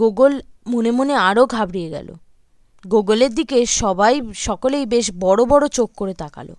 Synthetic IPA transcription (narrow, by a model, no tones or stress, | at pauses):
oɡolmonemoneaɾoɡʱabɾijeɡɛ̰lo̰ | ɡoɡoleɾd̪ikeʃɔbajʃɔkolejbeʃbɔɽobɔɽot͡ɕokːoɾet̪aka̰lo̰